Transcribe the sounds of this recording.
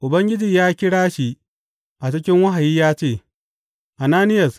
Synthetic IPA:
ʔʊ˨bɐ˦ŋɡʲɪ˦d͡ʒiː˨jaː˦kʲɪ˦ɽaː˦ʃi˦ | ʔa˨t͡ʃɪ˦kʲɪ˦ŋwa˦ɦa˨jiː˦jaː˦t͡ʃeː˦˨ | ʔa˨naː˦nɪ˦jɐ˨s

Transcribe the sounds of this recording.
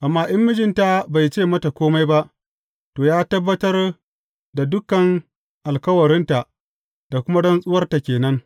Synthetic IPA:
ʔa˨mːaː˦ʔɪ˦mːɪ˦d͡ʒɪ˦nta˨ba˨jt͡ʃeː˦˨mɐ˦ta˨kʷoː˦ma˦jba˦ʔ | toː˨jaː˦tɐ˦bːɐ˦tɐ˦r | da˨dʊ˦kɐ˨ŋ | ʔa˨lkɐ˦wɐ˨ɾɪ˦nta˨ʔ | d̥a˨kʷʊ˦ma˦dɔ˦nsʼʊ˦wɐ˦rta˨kʲeː˨nɐ˦ŋ

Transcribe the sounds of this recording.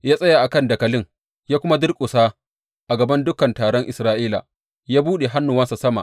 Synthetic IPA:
jaː˦sʼɐ˦ja˨ʔa˨kɐ˦˨ndɐ˨kɐ˨lɪ˦ŋ | jaː˦kʷʊ˦ma˦dɪ˦rkʷʼʊ˨saː˦ | ʔa˨ɡɐ˨bɐ˦ndʊ˦kɐ˨ntaː˨ɽɔ˦ŋʔɪ˨sɾaː˦ʔiː˦la̰˨ | jaː˦buː˦ɗe˨ɦa˦nːʊ˨wɐ˦nsa˨sɐ˦ma̰˨ʔ

